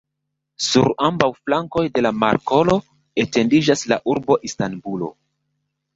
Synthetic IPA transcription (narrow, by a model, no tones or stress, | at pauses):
suɾambawflaŋko̞jde̞lamaɾko̞lo̞ | e̞te̞ndid͡ʒasla̰ʔuɾbo̞ʔistanbulo̞̰